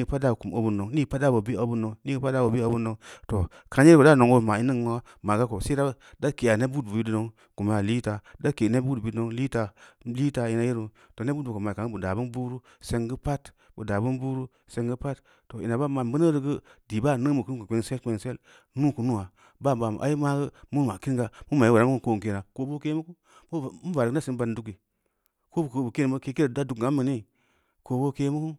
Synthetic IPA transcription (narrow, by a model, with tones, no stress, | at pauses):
ɡɨ˨˦pa˦t̚da˦˨ku˨m˨o˦bu˦no˨ŋni˦ɡpa˦t̚da˦bo˨bi˦o˦bu˦nːo˨ŋni˦ɡɨ˦pa˦da˦˨bo˨bi˦o˦bu˦no˨ŋto˨ | ka˧˦e˦ɾbo˨da˦˨no˨ŋo˦˨ma˨i˦nə˦ŋ˦wa˦ | ma˨ɡa˦ko˨se˦da˦ | da˦ke˨a˨ne˦bu˦dbu˨ji˦du˦no˦ŋ | ku˨m˨ja˨li˦ta˨da˦ke˨ne˦bu˦du˨bi˦no˦ŋli˦ta˧li˦ta˧i˧˦na˨je˦ɾu˨ | to˨ne˦bu˦dbu˨ko˨ma˨ka˨ŋ˦bu˨da˨bu˦n˦bu˦ɾu˦ | se˧ŋɡɨ˦pa˦t | bu˨da˨bɨ˦nbu˦ɾu˦ | se˧ŋɡɨ˦pa˦tː | o˨ʔḭ˨na˨ba˦˨ma˨m˦bə˦nə˦ɾə˧ɡə˦di˨ba˦˨nə˦mu˨kɨ˦ku˨kʷe˧˦ŋse˦lkʷe˧ŋse˦l | nu˦ku˨nu˦wa˨ | ba˦˨ba˨m̰˨ʔa̰˦ji˦ma˦ɡə˦mu˦n˨ma˨ki˦n˦ɡa˨mu˦ma˨i˦wɾa˦ŋ˦ku˦˨ko˦˨ke˨na˨ko˧bo˦ke˦mu˦ku˦˨ | m̩˦va˨ɾɡna˦si˦n˦ba˧n˨˦du˦k̬i˨ | ko˦bu˨kə˧bu˨ke˦n˨mbə˦ke˧˦ke˦ɾda˦du˨kɡa˨˦mə˨ni˦ | ko˧bo˦ke˧mu˦ku˦